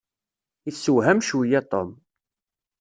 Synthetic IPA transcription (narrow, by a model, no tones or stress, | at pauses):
isːəwɦæmʃwijæt̪ˤo̰m